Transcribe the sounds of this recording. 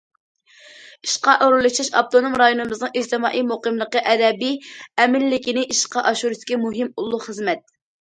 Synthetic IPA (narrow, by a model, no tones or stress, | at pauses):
iʃqɑʔoɾulˠuʃɑʃɑ̰p̚t̪onomɾɑjonɨmɨznɨŋid͡ʒt̪ɨmɑːʔijmoqəmlˠəqəʔɛd̪ɛbiɛmɪlːɪkʲinɪʔiʃqɑʔɑʃuɾɨskʲimuɦɪmulˠːʊχəzmɛt̪̚